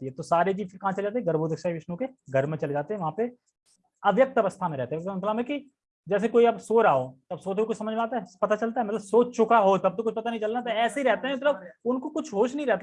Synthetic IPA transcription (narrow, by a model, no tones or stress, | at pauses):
iɦɛt̪osaːɾed͡ʒiːd͡ʒkekɐɦãt͡ʃɐled͡ʒaːt̪eɦɛ̃ɡɐɾboːd̪əkʃaːiʋɪʃnõkeɡʱɐɾmẽt͡ʃɐled͡ʒaːt̪eɦɛ̃ʋɐɦãpe | ɐʋjək̚t̪ɐʋəst̪ʰamẽɾɛɦt̪eɦɛmt̪lãmẽki | d͡ʒɛːs̬ekoːiɐbsoːɾaːot̪ɐbsoːt̪oikot͡ʃsɐməd͡ʒmẽaːt̪̬aɦɛpɐt̪at͡ʃɐlt̪aɛmɐt̪ləbsoːt͡ʃʊkaɦot̪ɐb̚t̪okʊt͡ʃʰpɐt̪anɐɦĩt͡ʃɐlnat̪oɛːseiɾɛɦt̪eɦɛ̃mɐt̪ləbʊnkokʊt͡ʃʰɦoːʃnəɐɦĩɾɛɦt̪